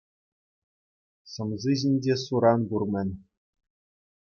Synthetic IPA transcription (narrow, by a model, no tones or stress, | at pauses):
sɤ̆mziʑinʲd͡ʑʲesuɾɑnburmʲɘ̆nʲ